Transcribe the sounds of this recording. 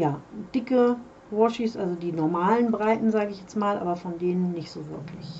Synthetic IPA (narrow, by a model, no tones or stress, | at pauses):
jaːd̥ɪkə | vɔʃisʔalzodiːnɔɐmaːlənbʁaɪtn̩zaːɡəɪçjɛt͡stmaːlʔa̰ːbɐfɔndeːnənːɪçtz̥oːvɪɐkʰlɪç